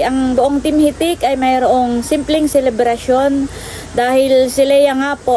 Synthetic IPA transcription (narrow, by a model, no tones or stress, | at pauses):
ʔɐŋbʊʔoŋt̪ɪmhit̪ɪkɐjmɐjɾoʔoŋsɪmplɛŋsɛlɛbɾɐʃjo̞n | d̪aːhɪlsɪlɐjɐŋaːpo